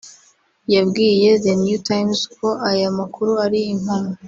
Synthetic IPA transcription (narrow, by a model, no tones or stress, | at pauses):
jabɡiːje̞ðenjutʰajmsko̞ʔajamakuɾuaɾiim̥ano